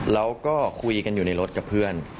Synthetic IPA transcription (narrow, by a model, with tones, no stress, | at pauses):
ɾa˦˥wkɔː˥˩kʰu˧jka˧njuː˨˩na˧jɾo˦˥t̪̚ka˨˩pʰɯ˥˩ən